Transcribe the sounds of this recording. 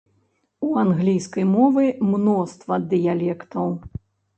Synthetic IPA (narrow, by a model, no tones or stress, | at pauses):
uanɣlʲijskɐjmɔvɨmnɔst̪vɐd̪ɨjalʲɛkt̪ɐw